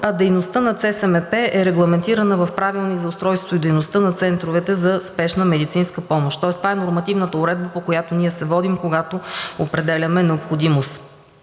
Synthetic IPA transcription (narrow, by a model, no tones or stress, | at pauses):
ɐd̪ɛjnost̪ənɐt̪sɛsɛmɛpɛʔɛɾɛɡlˠɐmɛnt̪iɾɐnəvɐfpɾavilˠnizɐʊst̪ɾɔjst̪void̪ɛjnost̪ənɐt̪sɛnt̪ɾovɛt̪ɛzɐspɛʃnəmɛd̪it̪sinskəpɔmoʃt̪ɔɛst̪vaɛnoɾmɐt̪ivnət̪əʊɾɛd̪̚bəpokojat̪oniɛsɛvɔd̪imkoɡat̪oopɾɛd̪ɛlʲɐmɛnɛopxod̪imost̪